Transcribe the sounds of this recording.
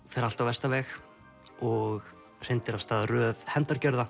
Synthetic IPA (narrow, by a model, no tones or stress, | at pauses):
fɛɾalt̪awvɛst̪avɛːx | ɔɣ | sɪnt̪ɪɾast̪aðrœːvhɛmt̪aɾ̥cœɾða